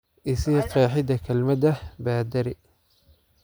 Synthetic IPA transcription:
ʔɪsɪjqɛːħɪd̪ɐkʰɐlmɐd̪ɐbaːd̪ɐɾɪ

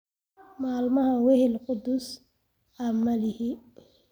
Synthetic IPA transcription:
maːlmɐhɐwɛhɪlqʊd̪ʊs | ʔamɐlɪhɪ

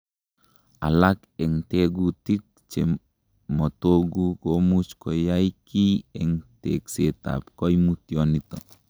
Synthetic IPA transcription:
a̰lak | eŋteɡutit̚ | t͡ʃe | motoɡukomut͡ʃkojajkieŋtekseta̰pkojmutjonito̰

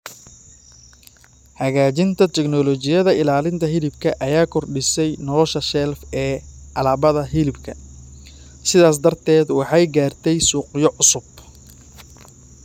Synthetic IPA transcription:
hɐɣaːt͡ʃɪnt̪ʰɐt̪ʰɛɡnɔlɔt͡ʃɪjɐðɐɪlaːlɪnt̪ʰɐɦɪlɪbkʰɐʔɐjaːkʰɔrɖɪsɛjnɔlɔʃɐʃɛlfɛːʔɐlaːβɐðɐɦɪlɪbkʰɐ | sɪðaːs̬d̪ɐrt̪ʰɛːd̪wɑħɑjɡaːrt̪ʰɛjsuːqjɔʕʊsʊb

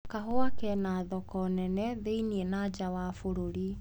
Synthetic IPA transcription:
kaɦoakɛnaːðɔkɔnɛnɛðeinienad͡ʒawaːfoɾoɾi

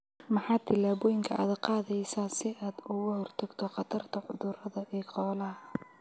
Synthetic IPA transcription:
mɑħɑːd̪t̪ʰɪlaːβɔːjɪŋkʰɐʔa̰ːd̪qɑːðɛjsaːnsɪʔaːd̪ʊɣʊhɔrt̪ʰɐɡt̪ʰɔqɑt̪ʰɐrt̪ʰɐʕʊ̰ðʊrɐðɐʔɛːqɔːlɐɦɐ

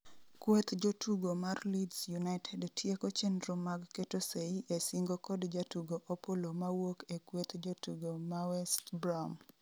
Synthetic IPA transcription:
kwet̪d͡ʒotʰuɡomarlidsjunaɪtʰɛdtjekot͡ʃendɾomaɡketoseiʔesiŋɡokɔdd͡ʒatuɡoʔopolomawokekwot̪d͡ʒotuɡomawɛstbɾam

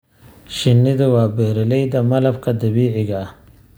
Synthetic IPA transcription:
ʃɪnːɪðɐwɑːbɛːɾɪlɛjd̪ɐmɐlɐbkʰɐd̪ɐβiːʕɪɣɐ

